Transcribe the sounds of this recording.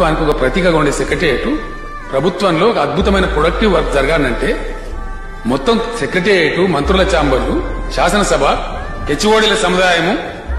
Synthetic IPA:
ʋaːnikʲiɔkɐpɾɐt̪iːkɐɡoɳɖesekɾɐʈeʈu | pɾɐbʱut̪ʋɐmlo̞ːkɐd̪̚bʱut̪ɐmɐjnɐpɾoɽɐk̚ʈiʋːɐɾkd͡ʒɐɾɐɡaːnːɐɳʈe̞ː | mɔt̪ːɐmsekɾeʈeeʈumɐnt̪ɾulɐt͡ʃaːmbɐɾluʃaːsɐnɐsɐbʱɐ | ket͡ʃːuʋoːɽilɐsɐmud̪aːjɐmu

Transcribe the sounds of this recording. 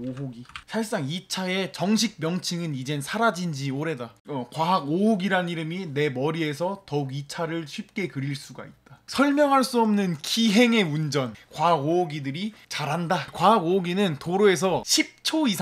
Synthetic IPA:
oɦoɡisʰaɭs͈aŋit͡ɕʰae̞t͡ɕʌŋɕ̬ʰik̚mjʌŋt͡ɕʰɯŋɯnid͡ʑe̞nsʰaɾad͡ʑind͡ʑioɾe̞daʌkwaɦaɡoɦoɡiɾaniɾɯmine̞mʌɾie̞s̬ʰʌtʌuɡit͡ɕʰaɾɯɭɕʰɥip̚k͈e̞kɯɾiɭs͈uɡa̰it̚t͈asʰʌɭmjʌŋɦaɭs͈uʌmnɯnkiɦe̞ŋe̞und͡ʑʌnkwaɦɡooɡidɯɾit͡ɕaɾɦandakwaɦaɡooɡinɯntoɾoe̞s̬ʰʌɕʰip̚t͡ɕʰois

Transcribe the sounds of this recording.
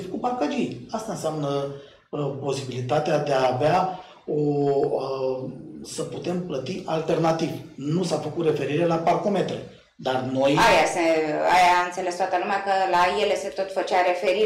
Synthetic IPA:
fəkuparkad͡ʒiast̪aɨnseamnə | po̞sibilit̪at̪ead̪eaːvea | o | səput̪e̞mplət̪iʔalt̪e̞rnat̪ivnusafəkut̪re̞fe̞ɾiɾe̞laparko̞me̞t̪ɾe̞ | d̪arno̞jajaseajaɨnt̪se̞le̞st̪at̪əlumeakəlajele̞se̞t̪o̞t̪fət͡ʃaɾe̞feɾi

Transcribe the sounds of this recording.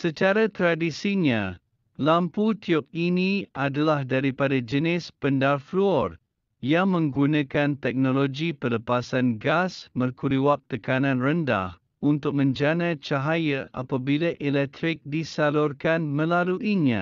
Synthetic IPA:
sət͡ʃaɾat̪ɾadisiɲa | lamput̪ʰiʊp̚iniʔadalahdaɾipadad͡ʒənɪspəndarfluɔr | jaŋmə̃ŋɡunãkant̪ɛk̚noloɡipələpasanɡasmərkuɾiwap̚t̪əkanãnrənda̰h | unt̪ʊk̚mə̃ɲd͡ʒanat͡ʃaɦajaʔa̰pabilaʔelɛk̚t̪ɾɪk̚disalʊrkanmə̃laluʔiɲa̰

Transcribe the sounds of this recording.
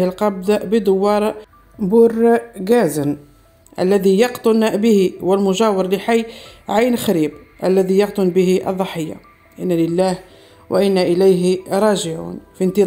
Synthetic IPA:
hɪlqɑb̚d̪abəd̪ʊwːɑːɾˤ | bʊrːɡæːzən | ʔæ̰lːæðijɑqt̪ˤʊnbɪhiwɪlmʊʒæːwəɾˤlɪħajːʕajnxaɾiːbʔæ̰lːæðijɑqt̪ˤʊnbɪɦiʔɑ̰ðˤːɑħəjːa̰ | ʔɪnːælɪlːæːh | wʔa̰ʔɪnːæʔɪlæjɾˤɑːʒɪʕṵːnfint̪i

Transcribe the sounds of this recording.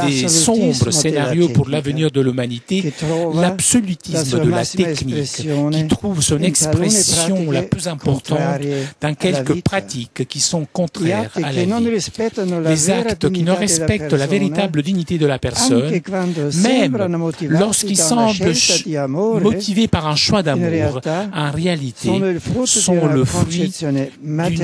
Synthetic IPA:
d̪̥essɔ̃bʁəsʁsenaʁjopuʁlavəniʁd̪əlymanit̪elabsɔlyt̪isməd̪əlat̪ɛknikkʲit̪χuvsɔ̃nɛkspχɛsjɔ̃laplyzɛ̃pɔʁt̪ɑ̃t̪d̪ɛ̃kʲɛlkəpχat̪ikkːisɔ̃kɔ̃t̪χɛʁala | d̪ezakt̪kʲinəʁɛspɛk̪̚laveʁiabləd̪iɲit̪ed̪əlapɛʁsɔnmɛmlɔʁskilsɑ̃bl | mɔt̪ʰivepaʁɛ̃ʃwad̪amuʁɛ̃ʁealit̪esɔ̃ləfχɥi | d̪y

